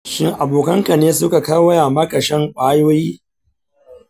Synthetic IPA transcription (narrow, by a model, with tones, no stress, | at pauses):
ʃɪ˦ŋʔa˨boː˨kɐ˦ŋka˨neː˦sʊ˦ka˨ka˦wɐ˦jaː˨mɐ˦ka˨ʃɐ˦ŋkʷʼaː˦joː˦jiː˦